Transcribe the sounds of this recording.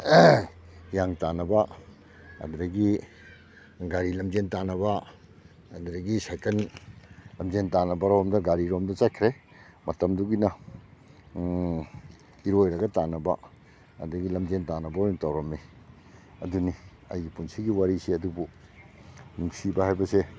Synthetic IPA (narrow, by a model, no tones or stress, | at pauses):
jaŋtanɐbɐ | ɐ̰duɾɐɡi | ɡaɾilɐmd͡ʒentanɐbɐ | ɐduɾɐɡisajkɐn | lɐmd͡ʒentanɐbɐɾomdɐɡaɾiɾomdɐt͡ʃajkʰɾe | mɐtɐmduɡinɐ | iɾojɾɐɡɐtanɐbɐ̰ | ɐ̰dɐɡilɐmd͡ʒentanɐbɐojŋtawɾɐmːi | ɐ̰duni | ɐ̰jɡipunsiɡiwaɾiseɐdubu | nuŋsibɐhajbɐse